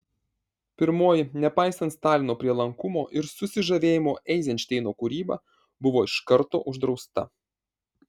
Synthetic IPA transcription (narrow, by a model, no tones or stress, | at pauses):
pʲɪɾmoːjɪnʲɛpɑɪsɐnt̪st̪ɑːlʲɪnoːpʲɾʲiɛlˠɐŋkʊmoːʔɪɾsʊsʲɪʒɐʋʲeːjɪmoːʔɛɪzʲɛnʲt͡ʃt̪ʲɛɪnoːkʊɾʲiːbɑ̰ | bʊʋoːɪʃkɐɾt̪o̰ːʔʊʒd̪ɾɒʊst̪ɐ̰